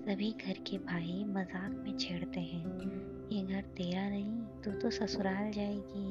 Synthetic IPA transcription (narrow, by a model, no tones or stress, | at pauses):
sɐbʱiɡʱɐɾkebʱaːimɐzaːkmẽt͡ʃʰeːɽt̪eɦɛ̃ː | jeɡʱɐɾt̪eːɾanɐɦĩt̪ot̪osɐsʊɾaːld͡ʒaːeːɡiː